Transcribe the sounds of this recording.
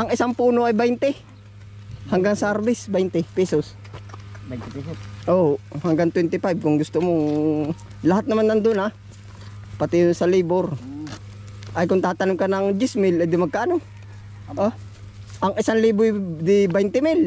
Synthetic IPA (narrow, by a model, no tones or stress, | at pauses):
ʔɐŋɪsaŋpuːnoʔɐjbɛjnt̪ɛ | hɐŋɡaŋsaɾbɪsbɛjnt̪ɪpɛsos | ʔohɐŋɡaŋt̪wɛnt̪ɪfajb̚kʊŋɡʊst̪omo | lɐhat̪̚nɐmanːɐnd̪ʊna | pɐt̪ɪjʊnsɐliboɾ | ʔɐjkʊŋt̪aːt̪ɐnʊmkɐnɐŋd͡ʒɪsmɪlɐjd̪ʊmɐɡ̚kaːʔɐno | ʔo | ʔɐŋʔɪsaŋliːbʊjd̪ɪbɛjnt̪ɪmɪl